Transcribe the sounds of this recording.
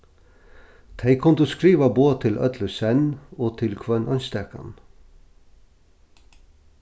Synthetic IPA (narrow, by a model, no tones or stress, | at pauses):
t̪ʰæɪkʰʊnt̪oskɾiːʋɑboːt̪ʰɪlʔœ̰t̪ʰləsɛnoːt̪ʰɪlkʰʋœnʔɑnst̪ɛkɑ̰n